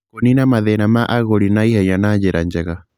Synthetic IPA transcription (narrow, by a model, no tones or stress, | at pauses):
kɔninamaðɛnamaʔaɣɔɾinaihɛɲanad͡ʒɛɾand͡ʒɛɣa